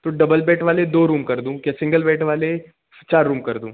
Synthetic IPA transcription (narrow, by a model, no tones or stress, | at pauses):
t̪oːɖɐbəlbɛːʈʰʋaːled̪oːɾuːmkɐɾd̪ũːkjasɪ̃ŋɡəlbɛːʈʰʋaːle | t͡ʃaːɾːũːmkɐɾd̪ṵ̃ː